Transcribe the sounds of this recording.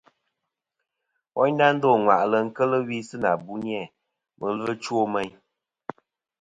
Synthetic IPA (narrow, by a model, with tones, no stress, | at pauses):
wɔ̰˦ɲ˦na˦n̩˦dɔ˦˨ŋwa̰˨ʔlə˨ŋ̩˦kə˦lə˦wi˦sɨ˦na˨bu˦n˦ɛ˦˨ | mə˨lɨ˦ə˦t͡ʃwo˦mɛ˦ɲ